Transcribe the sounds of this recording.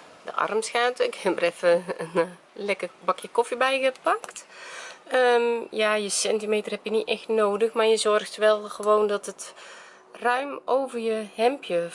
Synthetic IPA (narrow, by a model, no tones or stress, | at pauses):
də̰ʔɑ̰rmsxaːtɪkhɛbərɛfəən | lɛkəbakjəkɔfibɛjɣəpakt | əmjajəsɛntimeːtərhɛpjəniʔɛxtnoːdəxmarjəzɔrxtʋɛlˠɣəʋoːndɔtət | rœɥmoːvərjəhɛmpjə